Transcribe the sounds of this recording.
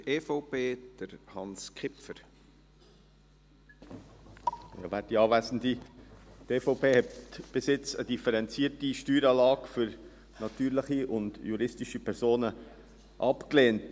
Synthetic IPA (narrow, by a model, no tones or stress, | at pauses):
eːfɔʊpeːd̪̥əɾhɑnskχɪpfəɾ | ɑ̰væːdiɑːvæsn̩diteːfoʊpeːhɛtb̥ɪsɪt͡səd̥ifəɾɛnt͡siətiʃtyːɾɑːlɑːɡfʏɾ | nɑt̪yːɾləχiʊndjuɾɪstiʃipʰɛɾzoːnə | ʔɑpkleːnt